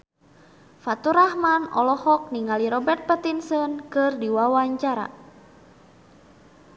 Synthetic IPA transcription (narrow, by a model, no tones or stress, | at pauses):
fat̪uɾahmanɔ̰lɔhɔk̚niŋaliɾɔbɛrt̪̚pət̪insənkɨrdiwawaɲt͡ʃaɾa̰